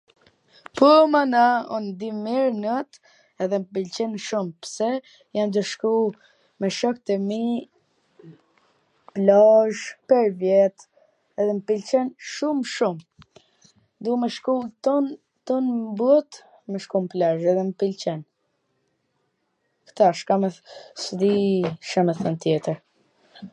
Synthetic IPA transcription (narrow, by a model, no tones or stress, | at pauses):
pɔmanaɔnd̪imiɾnət̪ | ɛðɛmpilt͡ɕɛnʃumpsɛ | jand̪ɔʃku | mɛʃɔk̚t̪ɛmi | plaʒpɛɾvjɛt̪ | ɛðɛmpilt͡ʃɛnʃumʃum | d̪umɛʃkult̪ɔn | t̪ɔnbuɛt̪ | məʃkumplaʒɛðɛməpilt͡ʃɛn | kt̪aʃkamɛsəd̪iʃamɛθənt̪jɛt̪əɾ